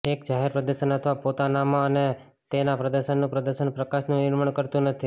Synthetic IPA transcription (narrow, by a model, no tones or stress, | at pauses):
ekd͡ʒaɦeɾpɾəd̪əɾʃənət̪ʰʋapot̪anamãəne | t̪enapɾəd̪əɾʃənːũpɾəd̪əɾʃənpɾəkaʃnũnɪɾməɳkəɾt̪ũnət̪ʰi